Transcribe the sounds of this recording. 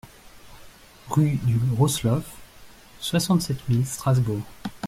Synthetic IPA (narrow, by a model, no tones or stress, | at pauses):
ʁyd̪yʁɔslɔf | swasɑ̃t̪sɛt̪milst̪χazbuʁ